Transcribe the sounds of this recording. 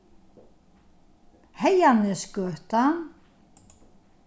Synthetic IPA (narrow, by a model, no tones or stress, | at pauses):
hejanɪskœːht̪an